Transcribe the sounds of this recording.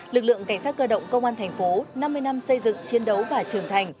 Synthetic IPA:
lɨ˨˩k̚lɨ̰˧˨əŋka˧˩ŋ̟saː˦˥t̚kəː˧ɗə̰˧˨wŋ͡mkə˧wŋ͡mʔaː˧nt̪ʰɛ˨˩ŋ̟fo˨˦na˧mːɨ˧əjna˧msə˧jzɨ̰˧˨ŋt͡ɕi˨˦ənɗə˨˦wvaː˨˩t͡ɕɨ˨˩əŋt̪ʰa˨˩jŋ̟

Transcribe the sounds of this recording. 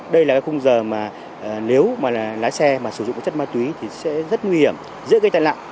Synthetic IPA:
ɗə˧jlaː˨˩kaː˨˦jxʊ˧ŋ͡mzəː˨˩maː˨˩˨ | li˨˦əwmaː˨˩˨laː˨˦jsɛ˧maː˨˩sɨ˧˩zʊ̰˧˨ŋ͡m̚t͡ɕə˦˥t̚maː˧t̪wi˨˦t̪ʰi˨˩sɛ̰˧˥zə˦˥t̚ŋwi˧hi˧˩əm | zɨ̰˧˥kaː˧˦t̪a̰˧˨nla̰ː˧˨

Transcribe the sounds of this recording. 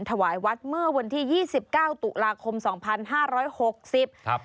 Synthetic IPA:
nt̪ʰa˧waː˩˦jwa˦˥t̪̚mɯ˥˩əwa˧nt̪ʰiː˥˩jiː˥˩si˨˩p̚kaː˥˩wt̪u˨˩laː˧kʰo˧msɔː˩˦ŋpʰa˧nɦaː˥˩ɾɔː˦˥jho˨˩k̚si˨˩p̚

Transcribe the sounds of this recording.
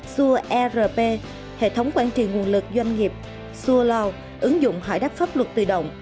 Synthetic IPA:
su˧əʔɛ˧zəː˧˩pe˧ | hḛ˧˨t̪ʰə˨˦wŋ͡mkwaː˧nt͡ɕḭ˧˨ŋu˨˩ənlɨ˨˩k̚zwa˧jŋ̟ŋi˨˩əp̚ | su˧əlɔ˧w | ʔɨ˨˦ŋzʊ̰˧˨ŋ͡mɦa̰˧˩jɗa˦˥p̚faː˦˥p̚lwə˨˩t̚t̪ɨ̰˧˩ɗə̰˧˨wŋ͡m

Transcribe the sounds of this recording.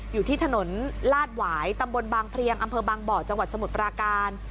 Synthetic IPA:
juː˨˩t̪ʰiː˥˩t̪ʰa˧no˩˦nlaː˥˩t̪̚waː˩˦jt̪a˧mbo˧nbaː˧ŋpʰɾi˧əŋʔa˧mpʰɤː˧baː˧ŋbɔː˨˩t͡ɕa˧ŋwa˨˩t̪̚sa˧mu˨˩t̪̚pɾaː˧kaː˧n

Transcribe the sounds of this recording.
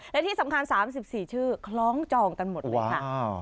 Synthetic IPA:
lɛ˦˥t̪ʰiː˥˩sa˩˦mkʰa˧nsaː˩˦msi˨˩p̚siː˨˩t͡ɕʰɯː˥˩kʰlɔː˦˥ŋt͡ɕɔː˧ŋka˧nmo˨˩˦a˩kʰa˥˩

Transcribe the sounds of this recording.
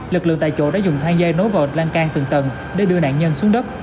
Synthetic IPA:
lɨ˨˩k̚lɨ̰˧əŋt̪a̰ː˧˨jt͡ɕo̰˧˨˦ɗa̰ː˧˥zʊ˨˩ŋ͡mt̪ʰaː˧mzaː˧jno˨˦jvə˨˩t̚laː˧nkaː˧ŋt̪ɨ˨˩ŋt̪ə˨˩n | ɗe˧˩ɗɨ˧əna̰ː˧˨nɲə˧nsu˨˦əŋɗə˦˥p̚

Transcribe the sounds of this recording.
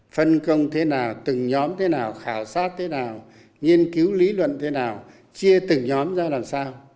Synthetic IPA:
fə˧nkə˧wŋ͡mt̪ʰe˨˦naː˨˩wt̪ɨ˨˩ŋɲɔ˨˦mt̪ʰe˨˦naː˨˩wxaː˧˩wsaː˦˥t̚t̪ʰe˨˦naː˨˩w | ɲi˧ənki˨˦wli˨˦lwə̰˧˨nt̪ʰe˨˦naː˨˩w | t͡ɕi˧ət̪ɨ˨˩ŋɲɔ˨˦mzaː˧laː˨˩msaː˧w

